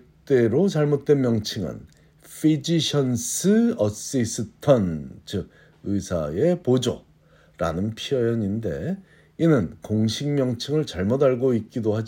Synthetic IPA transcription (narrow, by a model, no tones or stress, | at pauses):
t͈e̞ɾot͡ɕaɭmot̚t͈we̞nmjʌŋt͡ɕʰɯŋɯ̰n | fʰid͡ʑiɕʰʌnsʰɯʌs͈is͈ʰɯtʰʌnt͡ɕɯɡ̚ | ɯsʰae̞pod͡ʑʌ̰ | ɾa̰nɯnpʰiʌjʌɲinde̞̰ | inɯnkoŋɕʰiŋmjʌŋt͡ɕʰɯŋɯɭt͡ɕaɭmodaɭɡoit̚k͈idohad͡ʑ